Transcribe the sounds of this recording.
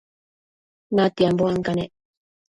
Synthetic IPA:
mat̪iamboaŋkane

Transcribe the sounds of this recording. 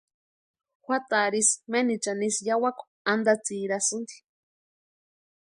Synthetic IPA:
xʷat̪aɾismenit͡ʃanisjawakʷ | and̪at͡siːɾasɨnd̪i̥

